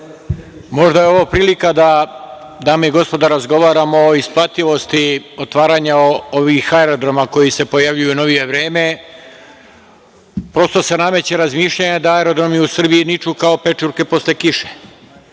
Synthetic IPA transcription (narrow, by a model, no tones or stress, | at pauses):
mo̞ʒd̪ajeo̞ʋopɾiːlikad̪a | d̪aːmeiɡo̞spo̞d̪aɾazɡo̞ʋaːɾamoːisplˠat̪iʋo̞st̪io̞t̪ʋaːɾaːɲaoʋixaeɾo̞d̪ɾo̞mako̞jise̞po̞jaʋʎujuno̞ʋije̞ʋɾe̞ːme̞ | pɾo̞st̪o̞se̞name̞t͡ɕeɾazmiːʃʎajed̪aaeɾo̞d̪ɾo̞miusr̩biinit͡ʃukao̞pe̞t͡ʃuɾke̞po̞slekiʃe